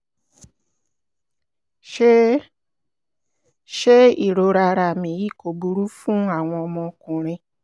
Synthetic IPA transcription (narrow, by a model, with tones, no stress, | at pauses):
ʃ | ʃe˦i˦˨ɾo˧ɾa˧ɾa˧˨mĩ˨ji˦˨ko˨bu˧ɾu˦fũ˦a˦˨w̃ɔ̃˧ɔ˧mɔ̃˧kũ˨ɾ̃ĩ˧